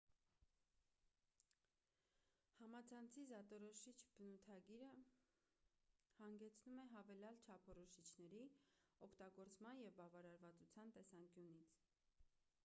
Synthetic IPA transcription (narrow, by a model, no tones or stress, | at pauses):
hɑmɑt͡sʰɑnt͡sʰizɑt̪ɔɾɔʃit͡ʃʰbənut̪ʰɑɡiɾə | hɑŋɡɛt͡sʰnumɛɦɑvɛljɑlt͡ʃʰɑpʰɔɾɔʃit͡ʃʰnɛɾiɔkʰt̪ɑɡɔɾt͡smɑnjɛvbɑvɑɾɑɾvɑt͡sut͡sʰjɑnt̪ɛsɑŋkjunit͡sʰ